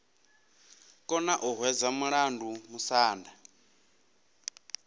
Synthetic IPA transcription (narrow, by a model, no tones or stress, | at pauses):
kʼɔnaʔuɦwɛd͡zamuɺandumusaːnda